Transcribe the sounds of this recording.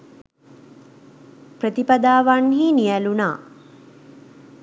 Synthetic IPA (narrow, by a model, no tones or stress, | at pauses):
prət̪ipad̪aːʋanɦiːnijælunaː